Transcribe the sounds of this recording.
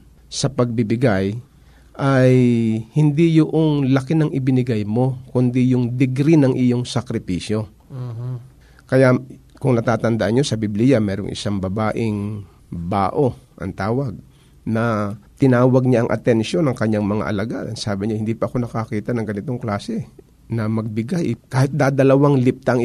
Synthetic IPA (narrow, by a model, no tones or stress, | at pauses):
sɐpɐɡ̚bɪbɪɡaj | ʔajhɪnd̪ijʊʔoŋlɐkɪnɐŋʔɪbɪnɪɡajmo̞kʊnd̪ijʊŋd̪ɪɡɾinɐŋʔɪjo̞ŋsɐkɾɪpiːsjo̞ | kɐjakʊŋnɐt̪aːt̪ɐnd̪ɐʔanɲo̞sɐbiblijɐmɛːɾoŋʔɪ̰saŋbɐbaːʔɪŋ | ba̰ːʔo̞ʔɐ̰ŋt̪aːwɐɡ̚ | nɐt̪ɪnaːwɐɡ̚ɲaʔɐŋʔɐ̰t̪ɛnʃo̞nɐŋkɐɲːaŋmɐŋa̰ʔɐ̰lɐɡad̪ɐŋsaːbɪɲahɪnd̪iːpɐʔɐko̞nɐkɐakiːt̪ɐnɐŋɡɐnɪt̪o̞ŋklaːsɛ | nɐmɐɡ̚bɪɡajʔkaːhɪt̪̚d̪ad̪ɐlɐwaŋlɪp̚t̪aʔɐŋ